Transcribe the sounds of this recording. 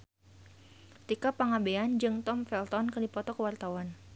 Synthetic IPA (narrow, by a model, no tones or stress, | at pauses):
t̪ikapaŋabeand͡ʒɨŋt̪ɔmfɛlt̪ɔnkərdipɔt̪ɔkəwart̪awan